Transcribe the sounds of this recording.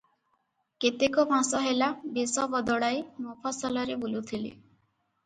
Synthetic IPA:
ket̪ekɔpãsɔɦelabesɔbɔd̪ɔɽajmopʰasɔlɔɾebulut̪ʰilḭ

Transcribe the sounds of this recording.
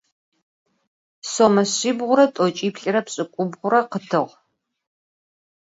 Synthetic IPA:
somɐɕɪːbʁʷʊɾɐtʼɔt͡ʃʼiːpɬʼɪɾɐpɕʼɪkʷʼʊbʁʷʊɾɐqətʰɨʁ

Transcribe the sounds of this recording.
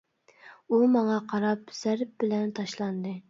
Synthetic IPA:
umɑŋɑqʰɑɾɑpz̥æɾp̚bɪlɛnt̪ʰɑʃlˠɑnd̪ɨ

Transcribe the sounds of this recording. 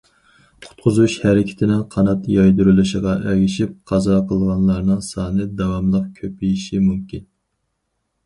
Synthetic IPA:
qʰʊ̥t̪̚qʰʊzuʃhæɾɪkʲʰɪ̥t̪ʰɪnɪnqʰɑnɑt̪jɑjd̪uɾylˠuʃəʁɑʔɛwiʃip̚qʰɑzɑqʰəlˠʁɑnlˠɑɾnɨŋsɑːnɨd̪ɑwɑmlˠəqkʲʰøpijiʃimumkʲin

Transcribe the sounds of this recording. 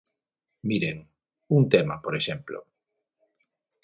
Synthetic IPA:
miɾeŋ | unt̪emapoɾeʃemplo̰

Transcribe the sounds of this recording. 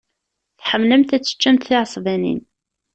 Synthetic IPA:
θħəmːləmt̪æt͡sːə̥t͡ʃːæmt̪θiʕəsˤvænḭn

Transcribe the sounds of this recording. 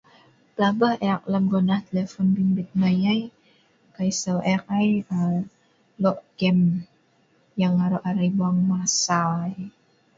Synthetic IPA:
blabaheak̚ləmɡɔnaht̪elefɔnbimbɪt̪̚majaj | kaisawʔɛkajə | lɔʔɡɛm | jaŋaɾɔʔaɾajbaŋmasaj

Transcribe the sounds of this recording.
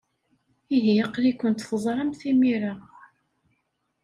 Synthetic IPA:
iɦijəqlikʷːənt̪θəzˤɾˤɑmθimiɾa

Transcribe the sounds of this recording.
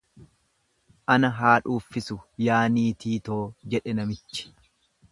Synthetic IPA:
ʔɐnɐɦaːᶑuːfːɪsʊjaːniːt̪iːt̪o̞ːd͡ʒɛᶑɛnɐmɪt͡ʃːɪ̥

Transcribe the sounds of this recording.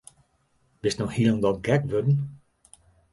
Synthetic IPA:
b̥ɪstnɔxhilˠəndɔtɡɛkʋødn̩

